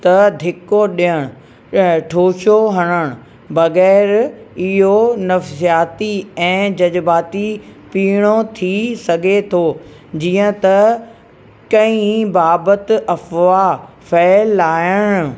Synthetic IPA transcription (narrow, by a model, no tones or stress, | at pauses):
t̪ɐd̪ʱɪkoɗijəɽ̃ʊ | ʈʰoːʃoɦɐɽ̃əɽ̃ʊ | bɐɣɛːɾɪɦonɐfsijaːt̪iɛ̃ːd͡ʑɐd͡ʑbaːt̪ipiːɽ̃ot̪ʰisɐɡʱet̪ʰoː | d͡ʑiːə̃t̪ɐ | kɐ̃ĩbaːbət̪ɐfʋa | fʰɛːlːaːɪjəɽ̃ʊ̆